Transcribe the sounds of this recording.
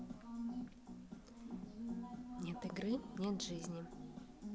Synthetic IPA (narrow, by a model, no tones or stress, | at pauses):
nʲet̪ɨɡɾɨnʲet̪ʐɨzʲnʲɪ